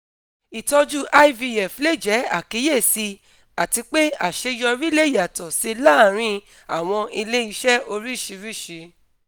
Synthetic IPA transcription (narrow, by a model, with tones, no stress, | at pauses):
i˨tɔ˧d͡ʒu˦ʔa˦˧i˦vi˧jɛ˨fle˦˨d͡ʒɛ˨˦a̰˨ki˨˦je˦˨si˧ | a˨ti˧k͡pe˦a˨ʃe˧jɔ˧ɾi˦le˦ja˨tɔ˨si˧la˦˨ɾ̃ĩ˧ | a˨w̃ɔ̃˧i˧le˦i˧ʃɛ˦o˧ɾi˦˨ʃi˨˦ɾi˦˨ʃi˨˦